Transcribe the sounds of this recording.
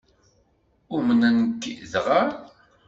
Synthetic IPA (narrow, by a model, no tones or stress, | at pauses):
ʊmənænəkːðʁəɾ